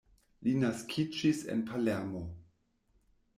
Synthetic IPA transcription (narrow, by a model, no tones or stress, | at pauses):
linaskʰid͡ʒisḛnpʰalemo